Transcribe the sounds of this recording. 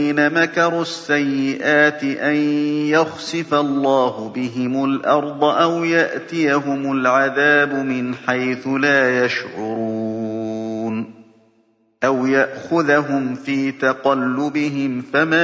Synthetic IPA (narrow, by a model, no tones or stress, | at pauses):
namakɑɾˤsːajːɪʔaːt̪ɪʔanjaxsɪfalˤːɑːhʊbɪɦɪmʊlʔɑɾˤd̪ˤɑʔawjaʔt̪ɪjaɦʊmʊlʕaðaːbʊmɪnħajθʊlaːjaʃʕʊɾuːu | n | ʔawjaʔxʊðaɦʊmfiːt̪ɑqɑlːʊbɪɦɪmfama